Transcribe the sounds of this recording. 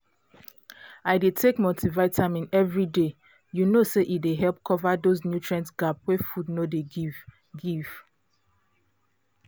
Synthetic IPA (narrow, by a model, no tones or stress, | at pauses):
aɪdetʰekmotʰivaɪtʰamĩnɛvɹide | junoseʔideɦɛlp̚kʰɔvadoznjutʰɹɛ̃nsɡapwɛfudnodeɡv | ɡiv̥